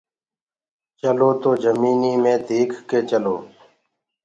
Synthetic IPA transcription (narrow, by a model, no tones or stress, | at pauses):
t͡ʃəloːt̪oːd͡ʒəmiːniːmẽːd̪ʱiːkʰkeːt͡ʃəloː